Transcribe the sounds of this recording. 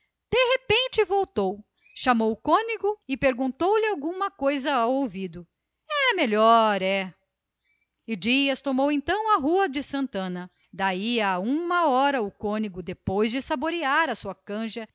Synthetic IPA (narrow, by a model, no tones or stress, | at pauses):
d̪̥eɦepẽnt͡ʃɪvowt̪ow | ʃamowʊkõniɡʊɪpeɾɡũnt̪owlɪawɡũmɐkojzɐawowvid̪ʊ | ɛmeʎɔɾɛ | ɪd͡ʒiɐst̪omowẽnt̪ɐ̃w̃ɐɦuɐd͡ʒɪsɐ̃nt̪ɐ̃nɐ | d̪aiaũmɐɔɾɐʊkõniɡʊd̪epojzd͡ʒɪsaboɾiaɾɐsuɐkɐ̃ʒɐ